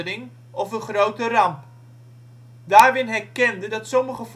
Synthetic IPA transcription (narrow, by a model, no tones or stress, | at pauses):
dɪŋ | ɔfənχrowtərɑmp | daːɹrɪnɦɛɹkɛndədɑtsɔməχəf